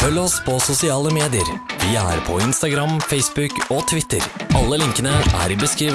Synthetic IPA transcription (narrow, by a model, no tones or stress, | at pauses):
fœlːɔspʰɔsʊsɪɑːləmeːd̪ɪəɾʋɪæ̰ːɾpʰɔɪnst̪ɑɡɾɑmfɛɪsbʉkɔt̪ʰʋɪt̪ə̰ɾʔɑlːəlɪŋkənəʔæ̰ɾɪbəskɾiːʋ